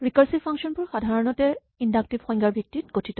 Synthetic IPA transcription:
ɹikaɹsipʰaŋksɔnpʊɹxadʱaɹɔnɔtɛ | indak̚tibxɔŋɡaɹbʱjik̚tit̚ɡ̥otʰitɔ

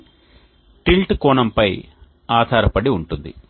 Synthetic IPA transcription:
ʈilʈkɔːɳɐmpɐj | aːd̪ʱaːɾɐpɐɽiuɳʈund̪ḭ

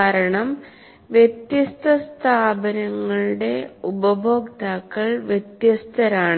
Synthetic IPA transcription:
aːɾɐɳɐm | ʋjet̪jɐst̪ʰɐst̪ʰaːbɐnɐŋːɐɭɨɽe̞ubɐbʱo̞ːkt̪aːkːɐɭʋjet̪jɐst̪ʰɐɾaːɳ

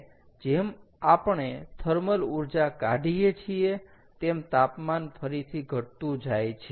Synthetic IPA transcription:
d͡ʒem | apəɳet̪ʰəɾməluɾd͡ʒakaɖijet͡ʃʰie | t̪emt̪apmanfʰəɾit̪ʰiɡʱəʈt̪ũd͡ʒajt͡ʃʰ

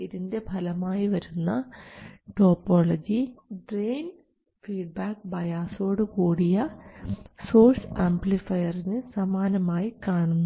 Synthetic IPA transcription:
iðinde̞bʱɐlɐmaːjiʋɐɾunːɐ | ʈo̞ːpːo̞ːlɐd͡ʑiɖreːn | fiːɖ̚baːkbɐjaːso̞ːɽɨkuːɽijɐ | so̞ːrsaːmblifɐjɐrinɨsɐmaːnɐmaːjikaːɳunːu

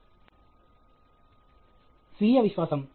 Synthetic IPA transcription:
sʋiːjɐʋɪɕʋaːsɐm

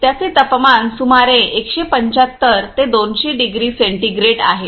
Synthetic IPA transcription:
t̪jat͡set̪əpəmansumaɾẽʔekɕepəɲt͡ɕat̪ːəɾt̪ed̪onɕeɖiɡɾiːseɳʈiɡɾeʈa̰ɦe

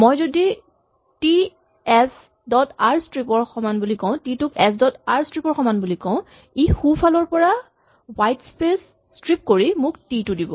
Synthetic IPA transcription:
mojzodi | ti | ɛs | dɔtaɹstɹipɔɹxɔmanbulikɔ̃ʊ̃titʊkɛsdɔtaɹstɹipɔɹxɔmanbulikɔ̃ʊ̃ | ixupʰalɔɹpɔɹa | wajtspesː | kɹip̚koɹimʊktitudibɔ

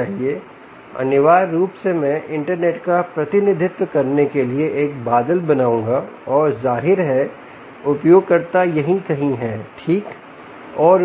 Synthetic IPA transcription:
aːɦie | ɐ̰nɪʋaːɾːuːpsemɛ̃ʔɪ̃ɳʈəɾneːʈkapɾɐt̪ɪnɪd̪ʱɪt̪wəkɐɾnekelieʔeːk̚baːd̪əlbɐnaːũːŋɡaɔːɾzaːɦɪɾɦɛ | ʊpjoːɡ̚kɐɾt̪ajɐɦĩkɐɦĩɦɛʈʰiːk | ɔːɾ

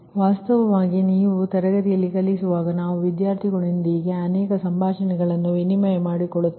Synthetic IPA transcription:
ʋaːst̪ɐʋɐʋaːɡiniːʋut̪ɐɾɐɡɐt̪ijɐlːikɐlːisuʋaːɡɐnaːʋuʋid̪jaːɾt̪ʰiɡɐɭind̪iːɡe̞ɐnɛːkɐsɐmbʱaːʂɐnɛɡɐɭɐnːuenimɐjɐmaːɽikɔɭːut̪ː

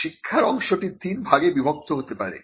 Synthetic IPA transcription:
ʃikʰːaɾɔŋʃoʈiɾt̪inbʱaɡebibʱok̚t̪oɦot̪epa̰ɾḛ

